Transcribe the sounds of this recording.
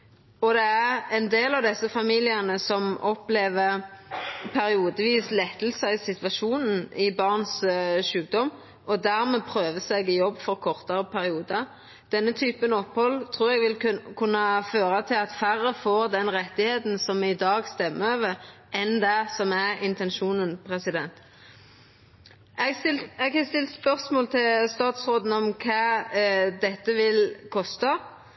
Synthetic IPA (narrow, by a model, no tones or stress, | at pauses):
ɔd̪ɛæʁɛnd̪eːlɑʋd̪ɛsːəfɑmiːlɪənəsɔmɔpleːʋəɾ | pʰæɾɪuːd̪əʋiːslɛt̪ːəl̩səɪsɪt̪ʋɑʃuːnn̩ɪbɑʁnsʃʉːk̚d̪ɔm | ʔɔd̪æɾmɛpʰɾøːʋəsɛɡɪjɔbːfɔɾkʰɔʁt̪əɾəpʰæɾɪuːd̪ɑ | d̪̥ɛnːət̪ʰyːpənɔpːhɔlːt̪ʰʁuːɾɛɡʋɪlkʰʉnːɑføːɾət̪ʰɪlɑt̪fæɾːəfoːɾd̪ɛnɾɛt̪ːɪheːt̪n̩sɔmɪd̪ɑːɡst̪ɛmːəøːʋəɾ | ʔɛnd̪æsɔmæɾɪnt̪ɛnʃuːnənpʰʁɛsɪd̪ɛnt̪ | ɛɡ̪ɪɛɡɛst̪ɪlt̪spœʁsmoːlt̪ʰɪlst̪ɑːt̪sʁoːd̪n̩ɔmkʰɑː | d̪ɛt̪ːəʋɪlkʰɔst̪ɑ